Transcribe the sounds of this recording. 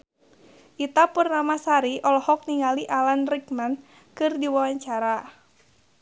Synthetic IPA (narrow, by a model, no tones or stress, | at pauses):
ʔit̪apurnamasaɾiʔɔlɔhɔk̚niŋaliʔalanrikman | kɨrdiwawaɲt͡ʃaɾa